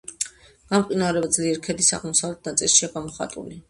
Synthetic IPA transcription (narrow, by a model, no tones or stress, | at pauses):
ɡ̥amqʼinaɾɛbad̪zliɛɾkʰɛd̪isa̰ʁmɔsavlɛt̪̚ʰnat̪sʼilˠʃiaɡamɔχa̰t̪ʼṵli